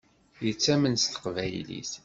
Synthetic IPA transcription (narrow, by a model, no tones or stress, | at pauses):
jət͡sːæmənst̪ə̥qvæjlḭθ